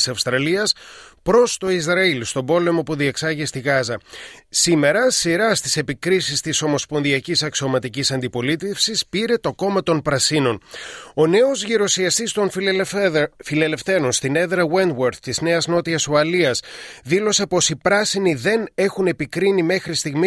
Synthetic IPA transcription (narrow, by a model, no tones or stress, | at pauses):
sɐfst̪ɾɐliɐspɾo̞st̪o̞isɾɐilst̪o̞bo̞le̞mo̞puðieksɐʝist̪iɣɐzɐsime̞ɾɐsiɾɐst̪ise̞pikɾisist̪iso̞mo̞spo̞nðiɐcisɐksio̞mɐt̪icisɐnd̪ipo̞lit̪e̞fsispiɾe̞t̪o̞ko̞mɐt̪o̞npɾɐsino̞no̞ne̞o̞zʝiɾo̞siɐst̪ist̪o̞n | file̞le̞fθe̞ɾo̞nst̪ine̞ðɾɐwend̪weɾθt̪izne̞ɐzno̞t̪iɐsoɐliɐsðilo̞se̞po̞sipɾɐsiniðe̞ne̞xune̞pikɾinime̞xɾist̪iɣmi